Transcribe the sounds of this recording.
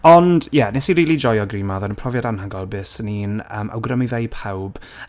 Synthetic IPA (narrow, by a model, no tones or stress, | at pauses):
ɔnd̥jɛnɛsiɾiːlˠid͡ʒɔjɔɡriːmaðɔnənpʰrɔvjadanɦaɡɔlˠbɨːsəniːnə̰ːmʔa̰wɡrəmivejpʰawb̥